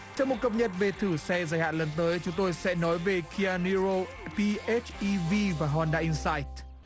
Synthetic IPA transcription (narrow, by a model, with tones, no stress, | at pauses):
t͡ɕɔ˧wŋ͡mmo˨˩t̚kə˨˩p̚ɲə˨˩t̚ve˨˩t̪ʰɨ˧˩sɛ˧zaː˧˩jha̰ː˧˨nlə˨˩nt̪əː˨˦jt͡ɕʊ˨˦ŋ͡mt̪o˧jsɛ̰˧˥nɔ˨˦jve˨˩kʰi˧aː˧ni˧ɹo˧ | pi˧ʔe˦˥t͡ɕʔi˧vi˧vaː˨˩ɦɔ˧˩nɗa̰ː˧˨ʔi˧nsaː˧jt̚